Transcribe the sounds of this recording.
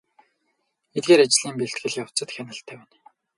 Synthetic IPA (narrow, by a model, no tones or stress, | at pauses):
et̪̚ɡeːɾat͡ɕ̆ɮiːmpeɬt̪̚ɡɘ̆ɮjaw̥t͡sə̆t̪xʲænə̆ɬt̪ʰæːwæːn